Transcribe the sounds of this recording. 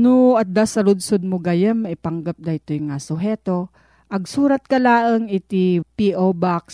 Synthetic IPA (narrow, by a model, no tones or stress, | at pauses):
nʊɐt̪̚d̪asɐlʊd̪sod̪̚mʊɡajɐmːɐɪpɐŋɡap̚d̪ɐjt̪ojŋasʊɦɛːt̪o | ʔɐɡ̚suːɾɐt̪̚kɐlaːʔəŋɪt̪ipiʔobaks